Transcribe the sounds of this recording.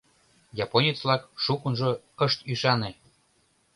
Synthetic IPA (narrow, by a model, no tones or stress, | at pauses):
jɑponʲit͡slɑkʃukənʒokəʃt̪yʃɑne